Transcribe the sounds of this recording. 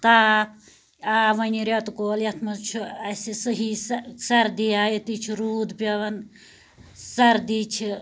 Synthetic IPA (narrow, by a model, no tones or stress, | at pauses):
t̪a | aʋɐniɾet̪koljɐt̪ʰmɐt͡ʃʰuɐsesəɦissɐɾd̪iaːjet̪it͡ʃʰuɾuːd̪pɐʋɐn | sɐɾd̪it͡ʃʰi